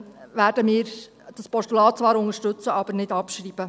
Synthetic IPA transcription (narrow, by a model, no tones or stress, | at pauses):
ʋæːɾdəmɪːɾ | d̥ɑspɔstulɑːt̚t͡sʋɑːɾʊŋəʃtɵt͡səʔɑb̥əɾnɪdɑpʃɾiːb̥ə